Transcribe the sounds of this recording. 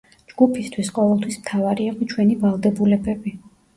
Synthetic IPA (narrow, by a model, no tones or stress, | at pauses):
d͡ʒɡ̥upʰist̪ʰwisqʼɔvɛlˠt̪ʰwismt̪ʰavaɾiaqʼɔt͡ʃʰwɛnivalˠd̪ɛbulɛbɛbi